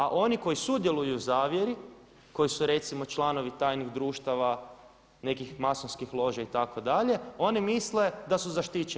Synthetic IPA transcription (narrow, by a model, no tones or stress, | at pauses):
aʔo̞niko̞jisud̪je̞lˠujuzaːʋje̞ɾi | ko̞jisuɾe̞t̪simo̞t͡ʃlˠano̞ʋit̪aːjniɣd̪ɾuːʃt̪aʋa | ne̞kixmasonskixlˠo̞ʒait̪akod̪aʎe̞o̞nimisle̞d̪asuzaʃt̪it͡ʃe